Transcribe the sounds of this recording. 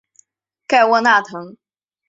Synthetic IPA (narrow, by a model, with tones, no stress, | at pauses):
ka˥˩ɪwɔ˥˧na˥˩t̪ʰɤ˧˥ŋ